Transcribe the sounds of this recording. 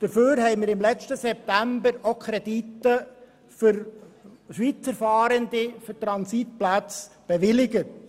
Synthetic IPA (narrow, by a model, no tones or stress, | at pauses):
d̥əɾføːɾhɛɪmɪːɾɪmlɛt͡stəsɛp̚tæmbəɾokʰɾɛditə | fʏɾ | ʃʋit͡səɾfɑːɾəndifʏɾtɾɑnsit̚plat͡sb̥ɛʋɪlɪɡət